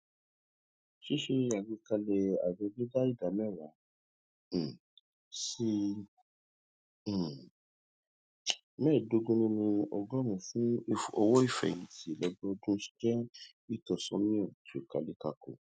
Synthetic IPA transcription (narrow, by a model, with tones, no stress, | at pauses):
ʃe˦ʃe˧a˨ɡi˧ka˧lɛ˧a̰˨d͡ʒe˧ɡi˦da˦i˦˨da˨˦mɛ̃˦˨ɾa˨˦˨ | si˧˨ | mɛ˦˨do˧ɡũ˧nĩ˧nĩ˧ɔ˧ɡɔ˦mũ˧fũ˦ɔ˧wɔ˦i˦˨fɛ̰˨ĩ˨˧˦ti˦˨lɔ˧bɔ˦˧dũ˦ʃi̥˦d͡ʒɛ̃˦ | i˦˨tɔ˨sɔ̃˧˦mĩ˦ɔ̃˨to˨ka˨˧le˧ka˧˨ko̰˨